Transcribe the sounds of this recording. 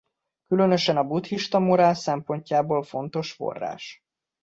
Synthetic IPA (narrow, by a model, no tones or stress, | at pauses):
kylø̞nø̞ʃɛnɒbut̪hiʃt̪ɒmoɾaːlsɛmpo̞ɲcaːboːlfo̞nt̪o̞ʃfo̞̰rːa̰ːʃ